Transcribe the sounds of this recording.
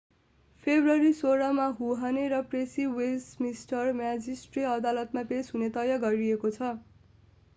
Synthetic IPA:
pʰebrʌɾisoɾʌmaɦuɦaneɾʌpresiwelsmisʈʌrmjad͡zisʈriʌd̪alʌt̪mapesɦunet̪ʌjʌɡʌɾiekot͡sʰʌ

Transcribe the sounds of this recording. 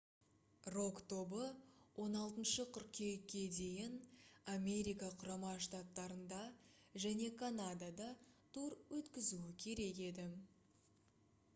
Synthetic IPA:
ro̞kt̪o̞bəwʔo̞nɑlˠt̪ənʃəqʰʏɾkkʲʰe̞jkʲːe̞d̪e̞jɪnamʲe̞ɾʲijkɑqʰʊɾɑmɑʃt̪at̪ːɑɾənd̪ɑ | ʒæne̞kʰanad̪ad̪ɑt̪ʰuɾwɵt̪kʲɪzuɪkʲʰe̞ɾe̞ke̞d̪ɪ

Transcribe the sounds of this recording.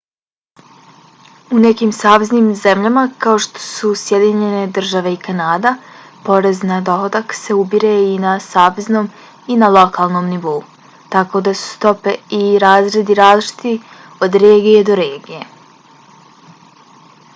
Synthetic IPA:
une̞kiːmsaːʋe̞zniːmze̞mʎamakao̞ʃt̪o̥susje̞d̪iɲe̞ne̞d̪r̩ʒaʋe̞ikanaːd̪apo̞ɾe̞znad̪o̞ɦo̞d̪akse̞ubiɾeinasaːʋe̞zno̞m | inalo̞kʰaːlˠno̞ːmniʋo̞u | t̪ako̞d̪asu̥st̪o̞pe̞iɾaːzɾe̞d̪iɾaːzlˠit͡ʃi̥t̪i | od̪ɾeːɡije̞d̪o̞ɾe̞ːɡije̞

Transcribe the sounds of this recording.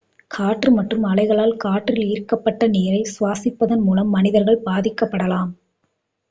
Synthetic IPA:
kʰaːʈrɯmɐʈrɯmɐlɐɪɣɐɭaːlkaːʈrɪliːɾkɐpːɐʈːɐneːɾɐɪsʊʋaːsɪpːɐðɐnmuːlɐmːɐnɪðɐɾɣɐɭbaːðɪkːɐpːɐɽɐlaːm

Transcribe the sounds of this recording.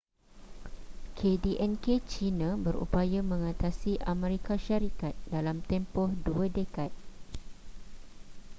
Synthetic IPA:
kʰediʔɛnket͡ʃinãbəɾṵpajamə̃ŋãt̪asiʔamɛ̃ɾikaʃaɾikat̪̚dalamt̪ɛmpɔhduadəkat̪̚

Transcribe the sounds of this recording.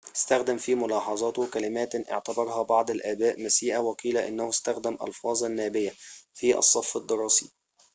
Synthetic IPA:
ʔɪst̪æxd̪æmfiːmʊlɑːħɑzˤɑːt̪kælɪmæːt̪ʔɪ̰ʕt̪ɑbɑɾˤhɑbɑʕd̪ˤalʔæːbæːʔmæsiːʔawæqiːlæʔɪ̰nːæhʊst̪æxd̪æmʔɑ̰lfɑːzˤanːæːbɪjafiːʔɑ̰sˤːɑfːɑd̪ːɨɾˤɑːsi

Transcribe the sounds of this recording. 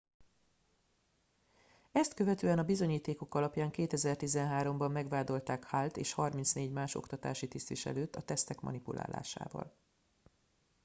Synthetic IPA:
ɛst̪kø̞vɛt̪øːɛnɒbizo̞ɲiːt̪eːko̞kɒlɒpjaːŋkeːt̪ɛzɛrt̪izɛnɦaːɾo̞mbɒmːɛɡvaːd̪o̞lt̪aːkhaːlt̪ḛːʃhɒrmint̪sneːɟmaːʃo̞̰kt̪ɒt̪a̰ːʃit̪ist̪ʋiʃɛ̰løːt̪ːɒt̪ɛst̪ɛkmɒ̰nipulʔa̰ːla̰ːʃa̰ːvɒ̰l

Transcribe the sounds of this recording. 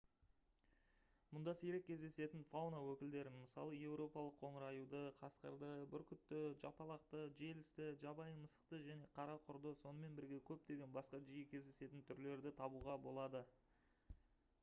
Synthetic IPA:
mʊnd̪ɑseɾe̞k̚ʲʰːe̞zd̪e̞se̞t̪ɪnfawnawɵkʲɪld̪e̞ɾɪnməsɑ̰lˠəje̞wɾo̞pɑlˠəqʰːo̞ɴəɾɑjud̪əqʰɑsqə̰ɾd̪əbɪɾkʲʰʏt̪ːɪʒɑ̰pɑlˠɑqt̪əʒe̞lɪst̪ɪʒɑbɑjəməsə̥qt̪əʒæne̞qʰɑɾɑqʰʊɾd̪əso̞nəme̞nbɪɾɡʲe̞kʲʰɵp̚d̪e̞ɡʲe̞nbɑsqɑʒijɪkʲʰe̞zd̪e̞se̞t̪ɪnt̪ʰʏɾle̞ɾd̪ɪt̪ʰɑbuʁɑbo̞lˠɑd̪ə

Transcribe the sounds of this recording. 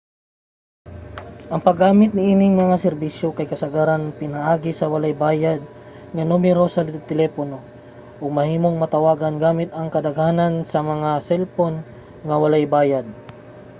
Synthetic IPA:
ʔɐŋpɐɡaːmɪt̪̚nɪʔiːnɪŋmɐŋasɛɾbisjokɐjkɐsɐɡaːɾanpɪnɐʔaːɡɪsɐwɐlajbaːjad̪̚ | ŋɐnumɛɾo̞sɐt̪ɛlɛːpono̞ | ʔoɡ̚mɐhiːmoŋmɐt̪ɐwaːɡɐnɡaːmɪt̪ɐŋkɐd̪ɐɡhaːnansɐmɐŋasɛlpon | ŋɐwɐlajbaːjad̪̚

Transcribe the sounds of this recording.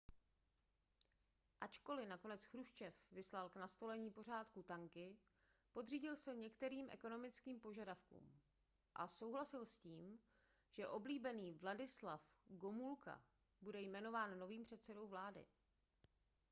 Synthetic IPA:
ʔat͡ʃko̞lɪnako̞nɛt͡sxɾuʃt͡ʃɛfvɪslalknast̪o̞lɛɲiːpo̞r̝aːt̪kut̪aŋkɪ | po̞d̪r̝iːɟɪlsɛɲɛkt̪ɛɾiːmʔɛ̰ko̞no̞mɪt͡skiːmpo̞ʒadafkṵːm | ʔaso̞wɦlasɪlsciːm | ʒ̥ɛʔo̞bliːbɛniːvladɪslafɡo̞mulka̰ | budɛjmɛno̞vaːnːo̞viːmpr̝̥ɛt̪sɛdo̞wvlaːdɪ̰

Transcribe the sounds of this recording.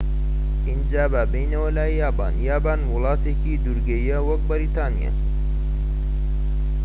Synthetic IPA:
ind͡ʒaːbabejnɐwɐlaːjaːba̰ːnjaːbaːnwʊlɑːt̪eːkid̪uɾɡɐjɐwɐk̚bɐɾit̪aːnija̰

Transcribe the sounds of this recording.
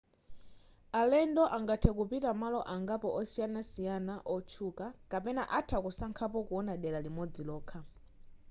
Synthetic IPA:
alɛndɔʔaŋɡatʰɛkupitamalɔʔaŋɡapɔʔɔsijanasijanaʔɔt͡ʃʰukakapɛnaʔatʰakusaŋkʰapɔkuɔnaɗɛlalimɔd͡zilɔːkʰa

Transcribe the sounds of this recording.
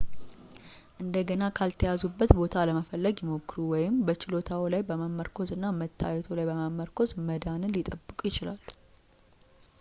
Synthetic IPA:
ʔɨnd̪əɡənakʰalt̪ʰəjazubːət̪bo̞t̪ʰaləməfəlːəɡjɪmo̞kːɨɾuwɔjɪmbət͡ʃɪlo̞t̪ʰawilajbəməmːəɾkʰo̞zɨnːamət̪ʰːa̰jɛt̪ʰolajbəməmːəɾkʰo̞zməd̪anɨnlit̪ʼəbːɨkʼjɪt͡ʃɪlalː

